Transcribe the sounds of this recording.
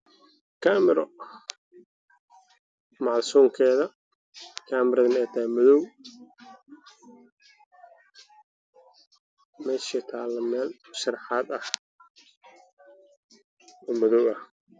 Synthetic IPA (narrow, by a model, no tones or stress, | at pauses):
kʰaːmɪɾɔ | maːlsuːŋkʰɛːðɐ | kʰaːmɪɾɐðɐmɛːt̪ʰɐmɔðɔw | mɛːʃit̪ʰaːlːɐmɛːlʃɑrħɑːd̪ɐh | ɔːmɔðɔwɐh